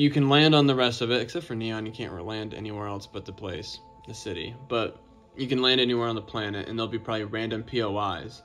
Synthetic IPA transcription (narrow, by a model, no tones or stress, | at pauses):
jɨkɨ̃nlæ̃ndn̩ðəɹɛstʌvɨɾɨksɛp̚tfə˞niə̃njɨkʰæ̰̃nʔlæ̃ndɛ̰niwɛɹɛlˠsb̥ʌt̪̚ðɨpʰl̥eɪs | ðɨsɪɾḭb̥ʌt̚ | jɨkɨ̃nlæ̃ndɛniwɛɹə̃nðəpʰl̥ænɨtɨ̰̃nðeɪlˠbipʰɹ̥ɑbəbliɹæ̃ndɨ̃mpʰioʊaɪz̥